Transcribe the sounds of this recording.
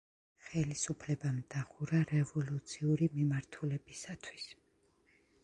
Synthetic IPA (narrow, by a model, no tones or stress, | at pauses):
χɛlisupʰlɛbamd̪̥aχuɾaɾɛvɔlut̪sʰiuɾimimaɾt̪ʰulɛbisat̪ʰwis